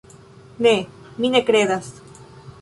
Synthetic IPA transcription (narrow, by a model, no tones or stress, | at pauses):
ne | minekɾeðas